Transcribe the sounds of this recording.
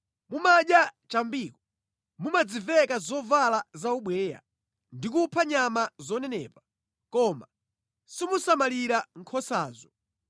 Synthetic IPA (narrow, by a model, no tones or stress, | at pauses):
mumaɗjat͡ʃambiːkɔ | mumad͡zivɛkazɔvalazauɓwɛːja̰ | ndikupʰaɲamazɔnɛnɛ̰ːpa | kɔma̰ | simusamaliɾaŋ̩kʰɔsaːzɔ